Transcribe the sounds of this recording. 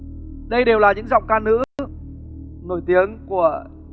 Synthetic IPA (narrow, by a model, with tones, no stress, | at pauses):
ɗə˧jɗe˨˩wlaː˨˩ɲɨ̰˧˥ŋza˨˩wk͡p̚kaː˧nɨ̰˧˥ | no˧˩jt̪i˨˦əŋku˧˩ə